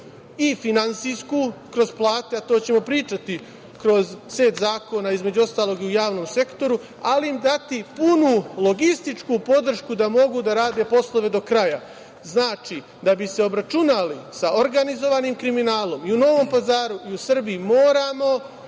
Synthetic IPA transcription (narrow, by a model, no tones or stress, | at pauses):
ifinansijskukɾo̞zplˠaːt̪eat̪o̞ːt͡ɕe̞mo̞pɾiːt͡ʃat̪i | kɾo̞zseːt̪zaːko̞naːizme̞d͡ʑuo̞st̪aːlˠo̞ːɡiujaːʋno̞ːmse̞kt̪o̞ɾu | aliimd̪at̪ipunulˠo̞ɡist̪it͡ʃkupo̞d̪r̩ʃkud̪amo̞ɡud̪aɾaːd̪e̞ːpo̞slˠo̞ʋe̞d̪o̞kɾaja | znaːt͡ʃi | d̪abise̞o̞bɾat͡ʃunalisaoɾɡanizo̞ʋaːniːmkɾiminaːlˠo̞miuno̞ʋo̞mpazaːɾuiusr̩biimoːɾamo̞